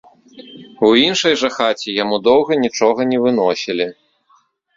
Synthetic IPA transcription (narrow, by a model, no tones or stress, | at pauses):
winʂɐjʐɐxat͡sʲijamud̪ɔwɣɐnʲit͡ʂɔɣɐnʲɛvɨnɔsʲilʲi